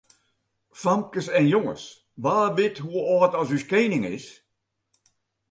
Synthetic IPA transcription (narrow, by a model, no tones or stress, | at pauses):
famkəsɛnjoŋə̰s | ʋaːbɪtɦuəɔːtɔsyskeːnɪŋɪ̰s